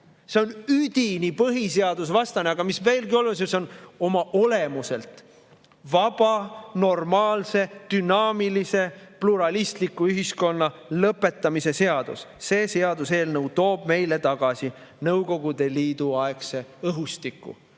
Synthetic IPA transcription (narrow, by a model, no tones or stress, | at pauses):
se̞o̞nyd̪̥ʲinipɤɦise̞ɑd̪̥usvɑst̪ɑneɑɡ̥ɑmisve̞ːlɡio̞lus̬iseo̞no̞mɑʔo̞le̞muse̞lt̪ˑ | vɑb̥ɑno̞rmɑːlse̞d̪̥ynɑːmilise̞pluɾɑlist̪likːˑuyɦisko̞nːɑlɤpːˑe̞t̪ːˑɑmise̞se̞ɑd̪̥ṵsse̞ːse̞ɑd̪use̞ːlnəwt̪o̞ːb̥me̞jle̞t̪ɑɡ̥ɑsi | nɤwko̞ɡ̥ud̪̥e̞liːd̪̥uɑekse̞ɤɦust̪ikːˑṵ